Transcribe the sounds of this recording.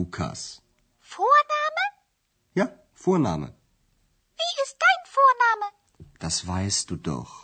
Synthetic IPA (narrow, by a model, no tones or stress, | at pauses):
uːkʰa̰s | foːɐnaːmə | jaː | foːɐna̰ːmə̰ | v̥iːʔɪst̚d̥aɪnfoːɐnaːmə | d̥asv̥aɪstd̥uːdɔ̰χ